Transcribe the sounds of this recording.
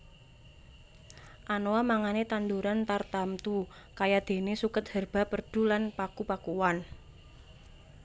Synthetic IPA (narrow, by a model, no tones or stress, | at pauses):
ʔanoamaŋanet̪and̪uɾant̪art̪amt̪u | kajad̪̥e̤nesukət̪̚hərb̥a̤pərɖ̥ṳlanpakupakuwan